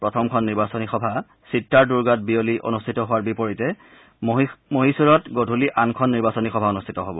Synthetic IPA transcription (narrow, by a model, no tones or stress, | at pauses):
pɹɔtʰɔmkʰɔnːiɹbasɔnixɔbʱa | sitːaɹduɹɡat̚bioliʔo̰nustʰitɔɦʊwaɹbipɔɹitɛ | moɦisuɹɔtɡodʱuliʔankʰɔnːiɹbasɔnixɔbʱaunustʰitɔɦobɔ̰